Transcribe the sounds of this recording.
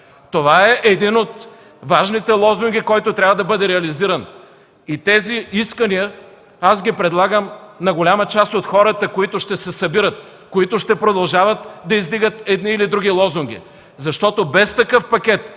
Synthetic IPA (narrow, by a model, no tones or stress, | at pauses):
t̪ovaɛʔɛd̪inot̪ | vaʒnit̪ɛlˠɔzuŋɡʲikɔjt̪ot̪ɾʲavɐd̪ɐbɤd̪ɛɾɛɐliziɾən | it̪ɛziiskənijə | asɡʲipɾɛd̪lˠaɡəmnɐɡolʲamət͡ʃast̪ot̪xɔɾət̪əkoit̪oʃt̪ɛsɛsɐbiɾət̪̚ | koit̪oʃt̪ɛpɾod̪ɐlˠʒavət̪d̪ɐizd̪iɡət̪ɛd̪niːlid̪ɾuɡ̟ilˠɔzuŋɡʲḭ | zɐʃt̪ɔt̪obɛst̪ɐkɤfpɐkʲɛt̪